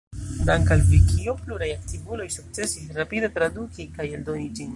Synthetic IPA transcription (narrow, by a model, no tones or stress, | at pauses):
d̪aŋkalfikijopluɾajak̚t̪ibulojsʊk̚t͡sesiɾapid̪at̪ɾad̪ukikajeld̪onid͡ʒin